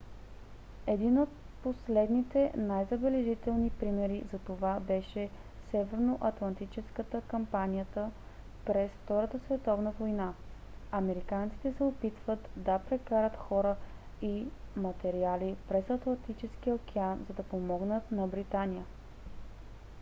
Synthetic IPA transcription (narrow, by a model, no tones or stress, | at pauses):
ɛd̪inot̪̚ | poslɛd̪nit̪ɛnajzɐbɛlɛʒit̪ɛlˠnipɾimɛɾizɐt̪ovabɛʃɛ | sɛvɛɾnoʔɐt̪lˠɐnt̪it͡ʃɛskət̪əkɐmpanʲijət̪ə | pɾɛsft̪ɔɾət̪əsvɛt̪ɔvnəvojna | ɐmɛɾikant̪si̥t̪ɛsɛopit̪v̥ət̪d̪ɐpɾɛkaɾət̪xɔɾə | imɐt̪ɛɾialipɾɛsɐt̪lˠɐnt̪it͡ʃɛsk̟iokʰɛanzɐd̪ɐpomɔɡnət̪nɐbɾit̪anijə